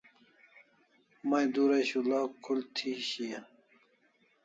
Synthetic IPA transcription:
mɐjd̪uɾɐɕulaːkʰult̪ʰiɕija

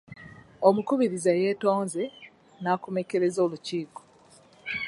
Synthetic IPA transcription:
omukuβiɾizaje̞ːto̞ːnze | naːkume̞ke̞ɾe̞zo̞ːluciːko̥

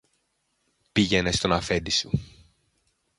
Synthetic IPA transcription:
piʝe̞nest̪o̞nɐfe̞d̪isu

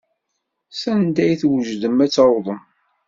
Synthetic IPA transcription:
sænd̪æjθwəʒðəmæt͡sːɑwðˤəm

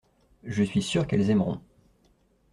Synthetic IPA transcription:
ʒəsɥisyʁkɛlzɛmʁɔ̰̃

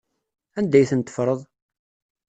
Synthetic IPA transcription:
ænd̪æjθənt̪ːə̥fɾˤəðˤ

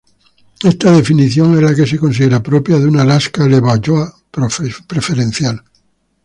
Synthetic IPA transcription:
est̪aðe̞finiθjo̞ŋezlake̞s̬eko̞ns̬iðeɾapɾopjaðunalaskaleβaʝoa | pɾpɾefe̞ɾẽn̟θjal

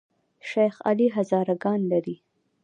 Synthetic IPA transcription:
ʃajxa̰liɦazɑːɾaɡɑnlaɾi

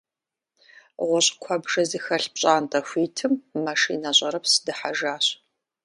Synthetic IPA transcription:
ʁʷɔɕʼkʷʰɐbʒɐzixɐɬp̚ɕʼaːntʼɐxʷiːtʰɨmːɐʃḭːnɐɕʼɐɾɐpsɨ̥dɨħaʒaːɕ

